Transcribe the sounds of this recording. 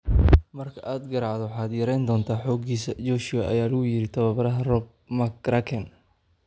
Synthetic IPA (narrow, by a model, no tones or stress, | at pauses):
mɐrkʰɐʔaːd̪ɡɐɾɑʕd̪ɔħaːd̪jɐɾɛjnd̪ɔːnt̪ʰaːħɔːɡiːsɐd͡ʒɔːʃɪjɐʔɐ̰jaːlɐɣʊjɪɾɪt̪ʰɐβɐβɐɾɐɦɐrɔb̚mɐkɾakʰɛn